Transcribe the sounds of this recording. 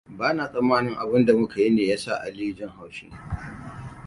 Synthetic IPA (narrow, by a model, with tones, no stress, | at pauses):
baː˦naː˨sʼɐ˦mːaː˦nɪ˦ŋʔa˨bɪ˦nda˨mʊ˦ka˨ji˦neː˨jaː˦sa̰˦˨ʔa̰˨liː˦d͡ʒɪ˦ŋha˨wʃɪ˦nː˨